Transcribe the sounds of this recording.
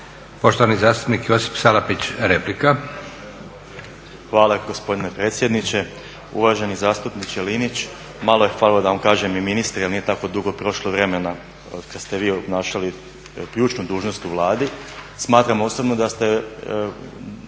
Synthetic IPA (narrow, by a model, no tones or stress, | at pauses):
po̞ʃt̪oanizaːst̪u̥pnikjosi̥fsalapit͡ɕɾeplika | xʋaːlˠaɡo̞spo̞d̪ine̞pɾeːt̪sje̞d̪nit͡ɕe̞ | ṵʋaʒe̞nizaːst̪upnit͡ʃjelinit͡ɕ | malˠo̞jexʋaːllod̪aʋamkaːʒemiminist̪ɾjalnije̞t̪ako̞d̪uɡo̞pɾo̞ʃlˠoʋɾe̞me̞na | kad̪st̪eʋiːobnaːʃali | kʎuːt͡ʃnud̪uːʒno̞st̪uʋlˠaːd̪ismaːt̪ɾamosobnod̪ast̪e̞